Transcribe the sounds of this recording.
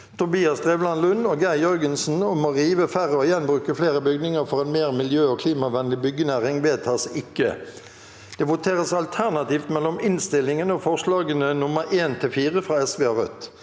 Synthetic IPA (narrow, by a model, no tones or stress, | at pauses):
t̪ʰʊbiːɑsd̪ʁɛʋlɑnlʉnːoːɡæɪjœɾɡənsn̩ɔmɔʁiːʋəfæɾəɔjɛnbʁʉːkəfleːɾəbʏɡnɪŋəfɔʁɛnmeːʁmɪljøːɔːkʰliːmɑʋɛnlɪbʏɡːənæʁɪŋʋeːt̪ʰɑːsɪkːə | d̪̥ɛːʋʊt̪ʰeːʁəsɑlt̪ʰæʁnɑt̪iːft̪mɛlːɔmɪnst̪ɪlːɪŋənəɔfɔʁʂlɑːɡənənʊməɾʔeːnt̪ʰɪlfiːʁəfʁɑːɛsʋeːɑʁœ̰t̪